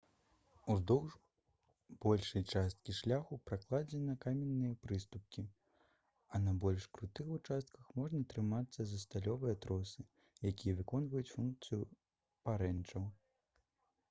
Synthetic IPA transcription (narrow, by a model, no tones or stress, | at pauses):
uzd̪ɔw | b̥ɔlʲʂɐjt͡ʂast̪̚kʲiʂlʲaxupɾaklˠad͡zʲɛnɐkamʲɛnːɨjɐpɾɨst̪up̚kʲi | ɐnɐbɔlʲʂkɾut̪ɨxut͡ʂast̪̚kɐxmɔʐnɐt̪ɾɨmat̪sːɐzɐst̪alʲɔvɨjɐt̪ɾɔsɨ | jakʲijɐvɨkɔnvɐjut͡sʲfunk̚t̪sɨju | paɾɛnt͡ʂɐw